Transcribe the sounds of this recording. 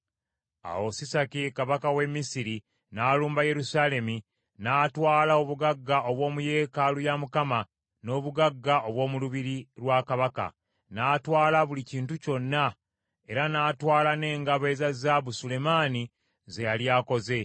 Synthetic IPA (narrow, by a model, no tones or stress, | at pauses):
a̰wo̞sisakikaβakawe̞mːisiɾi | naːluːmbaje̞ɾusaːle̞mi | naːtwaːlaoβuɡaɡːaʔo̞βwo̞ːmuje̞ːkalujamukama | no̞ːβuɡaɡːao̞βwo̞ːmuluβiɾiɾwaːkaβaka̰ | naːtwaːlaβuliciːntuco̞nːa | e̞ɾanaːtwaːlane̞ːŋɡaβe̞ːzazaβusule̞maːni | ze̞jaljaːko̞ze̞